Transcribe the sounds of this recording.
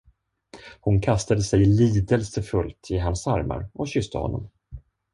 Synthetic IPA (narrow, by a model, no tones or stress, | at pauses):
hʊnkʰast̪ad̪əsɛjliːd̪əlsəfɵlt̪ʰɪɦansaɾma̰ɾʔɔɕʏst̪ʰəhɔ̰nːɔ̰m